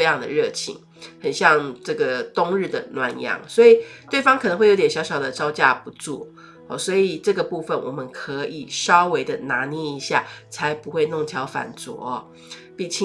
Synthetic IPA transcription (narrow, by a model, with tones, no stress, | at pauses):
ɪjɑ˥˨˩ŋd̪ə̰˩ɻɤ˥˩t͡ɕʰḭ˧˥ŋ | xə˨˩nɕjɑ˥˧ŋʈ͡ʂɤ˥˩ɡə˩t̪ʊ˥ŋɻɻ̩˥˩d̪ə˩nwa˧˥njɑ̰˧˥ŋswɔ˧˥i˨˩t̪we˥˩ɪfɑ˥ŋkʰə˨nə˧˥ŋxwɪjt̪ɛ˨nɕjɑ˧˥ʊɕjɑ˨˩ʊd̪ə˦ʈ͡ʂɑ˥ʊt͡ɕja̰˥pu˧t͡sṵ˥˩ | ɔ̰˨˩swɔ˧˥i˨˩ʈ͡ʂɤ˥˩ɡə˩pu˥˧fə˨nwɔ˨˩mə˦nkʰɤ˧˦˥ʔi˨˩ʂɑ˥ʊwe˧˥ɪd̪ə˧na˧˥ni˧˥˩i˧˥ɕja̰˥˩t͡sʰa˧˥ɪpu˧˥xwe˥˧ɪnʊ˥˩ŋt͡ɕʰjɑ˧˥ʊfa̰˨˩nt͡swɔ̰˧˥˦ɔ˧ | pi˥˩t͡ɕʰi˧˦